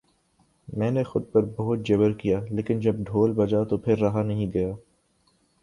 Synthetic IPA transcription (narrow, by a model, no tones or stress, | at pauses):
mɛ̃ːnexʊd̪̚pɐɾbɐɦʊt̪̚d͡ʒɐβəɾkijaːleːkɪnd͡ʒɐb̚ɖʱoːlbɐd͡ʒat̪opʰɪɾːɐɦanɐɦĩɡ̪ɐjaː